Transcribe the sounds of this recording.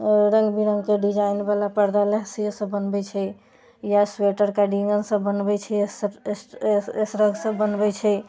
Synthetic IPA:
ɾəŋɡbiɾəŋɡkeɖid͡ʒaɪnbalapəɾd̪aleɦsijəsəbːənbɛt͡ʃʰɛ | jasweʈəɾkaɖiŋɡənsəbːənbɛt͡ʃʰɛs | esɾəɡsəbːənbɛt͡ʃʰɛ

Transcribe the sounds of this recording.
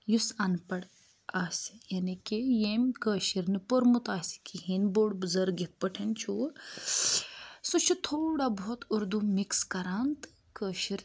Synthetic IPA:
jusɐnpɐɽ | aːsjɐnikejeːmkəːʃiɾnɨpoɾmut̪aːsi̥kiɦinboːɽbɨzəɾɡit̪̚pəʈʰɐnt͡ʃʰu | sũt͡ʃʰut̪ʰoːɽaboːt̪uɾd̪umikskɐɾaːnt̪ɨ̥ | kəːʃiɾ

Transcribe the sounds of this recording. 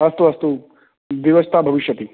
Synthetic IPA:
ɐst̪uɐst̪u | ʋjiʋəst̪ʰabʱɐʋiʃjɐt̪i

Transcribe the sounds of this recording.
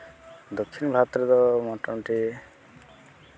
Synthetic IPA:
d̪okʰːinbʱat̪ɾd̪ɔmɔʈɔmʈi

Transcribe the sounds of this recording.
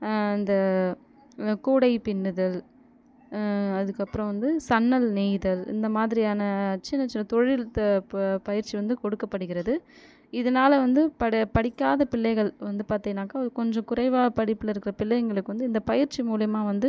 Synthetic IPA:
ɪnd̪ɐ | kuːɽɐɪpɪɳːɯðɐl | ɐðɯkːɐpːɯɾɐ̃ʋɐnd̪ɯsɐnːɐlniːðɐlɪ̰nd̪ɐmaːðɪɾɪjaːnɐt͡ʃːɪnːɐt͡ʃɪnːɐt̪ɔɻɪlt̪ːɐpɐjɪɾt͡ʃiʋɐnd̪ɯkɔɽɯkːɐpːɐɽɯɣɪɾɐðɯ | ɪðɐnaːlɐʋɐnd̪ɯpɐpɐɽɪkːaːðɐpɪlːɐɪɣɐɭʋɐnd̪ɯpaːɾt̪iːŋɐnːaːkaːɐɐɾɯkɔɲd͡ʒɔ̃kʊɾɐɪʋaːpɐɽɪpːɯlɐɪɾɯkːɪɾɐpɪlːɐjŋɡɐɭɯkːɯʋɐnd̪ɯɪnd̪ɐpɐjɪɾt͡ʃːimuːlɐjɐmaːʋɐnd̪ɯ

